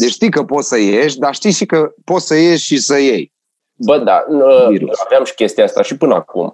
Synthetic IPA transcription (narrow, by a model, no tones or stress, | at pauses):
d̪et͡ʃʲʃt̪ijkəpo̞t̪səjeʃʲd̪aʃt̪ijʃikəpo̞t̪səje̞ʃʲʃisəje̞j | bəd̪a̰əviɾṵaveamʃi̥kʲe̞st̪iast̪aʃipɨnəa̰kṵm